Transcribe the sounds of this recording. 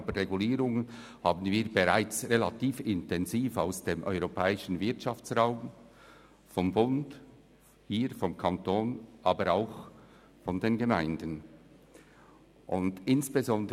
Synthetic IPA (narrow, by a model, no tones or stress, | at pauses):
bəʁeɡuliːɾʊŋə | haːbn̩viːbeʁaɪt͡sʁelatiːfɪntʰɛnziːfaʊsd̥eːmʔœʏʁopʰɛːɪʃən̩vɪɐtʃɑft͡sʁaʊm | fɔmbʊnd̥ | hiːɾfɔmkʰɑntoːnʔɑːbəɾaʊx | fɔndeːnɡəmaɪndən | ʔʊndɪnsb̥ezɔndə